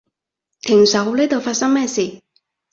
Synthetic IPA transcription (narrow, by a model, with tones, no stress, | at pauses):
t̪ʰɪ˨˩ŋsɐ˨˥wle˥t̪o˨wfaː˧t̚sɐ˥ŋmɛː˥˩siː˨˩